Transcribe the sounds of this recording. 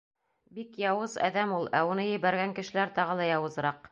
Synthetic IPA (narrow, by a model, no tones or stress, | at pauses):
bikjɑwɤzæ̰ðæmulˠæunɤjɘ̆βæɾɡæŋkɘ̆ʃɘ̆læɾt̪ɑʁɤlˠɑjɑwɤ̆zɤ̆ɾɑq